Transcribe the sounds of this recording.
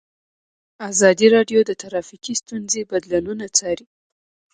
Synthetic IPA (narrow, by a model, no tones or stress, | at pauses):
azɑd̪iɾɑɖjod̪ət̪aɾɑfikist̪unzebad̪lununat͡sɑɾi